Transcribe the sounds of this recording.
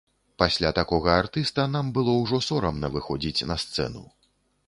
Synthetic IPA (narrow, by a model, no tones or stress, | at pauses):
pasʲlʲat̪akɔɣɐart̪ɨst̪ɐnambɨlˠɔwʐɔsɔɾɐmnɐvɨxɔd͡zʲit͡sʲnɐst̪sɛ̰nṵ